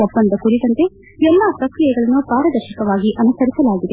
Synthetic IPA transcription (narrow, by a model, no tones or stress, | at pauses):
ɐbːɐnd̪ɐkuɾit̪ɐnt̪e̞ | ɛlːɐt̪ɐkɾijɐɡɐɭɐnːupaːɾɐd̪ɐɾʃɐkɐʋaːɡiʔɐnusɐɾisɐlaːɡid̪e